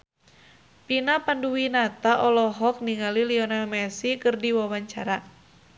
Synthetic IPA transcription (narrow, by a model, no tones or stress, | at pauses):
pinapanduwinat̪aʔɔlɔɦɔk̚niŋaliliɔnalmɛsikərdiwawaɲt͡ʃaɾa